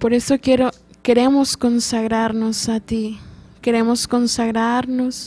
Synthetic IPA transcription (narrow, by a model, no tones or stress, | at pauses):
poɾesokjeɾo | keɾemoskonsaɣɾaɾnosat̪ikeɾemoskonsaɣɾaɾnos